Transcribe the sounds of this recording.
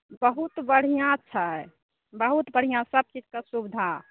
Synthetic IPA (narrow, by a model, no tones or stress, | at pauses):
bəɦut̪bəɽ̤ijãtːt͡ʃːʰaɛ | bəɦut̪bəɽ̤ijãsəb̚t͡ʃid͡ʒkəsubid̪ʱa